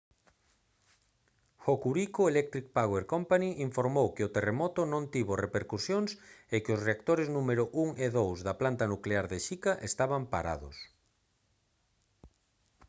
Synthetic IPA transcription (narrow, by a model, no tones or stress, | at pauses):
xokuɾikʊelɛk̚t̪ɾik̚paɣweɾkompaniʔiɱfoɾmowkɪʊt̪eremɔt̪ʊnõnt̪iβorepeɾkusjoŋsekɪʊsreak̚t̪oɾɪznumeɾʊʔuŋeðowzðɐplant̪anukleaɾðeʃikaʔest̪aβampa̰ɾa̰ðʊ̰s